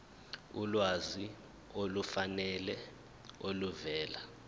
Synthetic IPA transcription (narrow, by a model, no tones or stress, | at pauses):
ulwazi | olufanɛlɛ | oluvɛːla